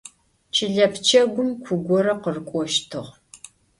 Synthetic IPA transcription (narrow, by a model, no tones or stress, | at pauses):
t͡ʃʰɪɮɐpʰt͡ʃʰɐɡʷʊmkʷʰʊɡʷɔɾɐqərkʷʼɔʃtʰɨʁ